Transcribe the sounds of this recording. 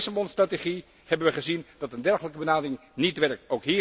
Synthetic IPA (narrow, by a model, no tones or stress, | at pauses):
sabɔnstrateχi | hɛbənʋəχəzind̥ɑtəndɛɹχələkəbənaːdərɪŋnitʋɛɹk̚towkɦiː